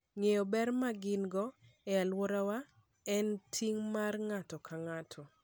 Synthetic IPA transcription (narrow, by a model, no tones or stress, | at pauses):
ŋejobɛrmaɡɪnɡɔɛalwɔɾawa | ɛntʰiŋmarŋatɔkʰaŋatʰɔ